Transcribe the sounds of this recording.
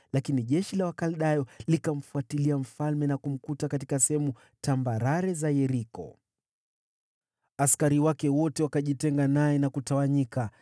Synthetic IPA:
lakiniʄɛʃilawakalɗajɔlikam̩fuatiliam̩falmɛnakum̩kutakatikasɛhɛmu | tambaɾaɾɛzajɛɾikɔ̰ | askaɾiwakɛwɔtɛwakaʄitɛŋɡanajɛnakutawaɲika

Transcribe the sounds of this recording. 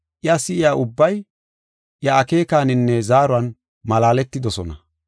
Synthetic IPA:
ʔɪasːɪɪjaːʔʊbːɐj | ʔjɐːke̞ːkaːnɪnːɛzaːɾʊɐn | mɐlaːlɛt̪ːɪd̪ɔsɔnɐ

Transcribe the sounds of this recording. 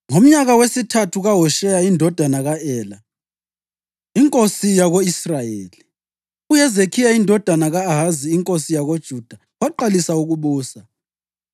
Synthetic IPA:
ŋom̩ɲaɣawesitʰatʰuɣaɦɔʃɛjaindʱɔd̥ʱanaɣaɛːla | iŋkʼosijaɣoisrajeːli | ujɛzekʰijaindʱɔd̥ʱanaɣaːɦaziːŋkʼosijaɣod̥ʒ̥ʱud̥ʱa | waǃalisauɣuβuːsa

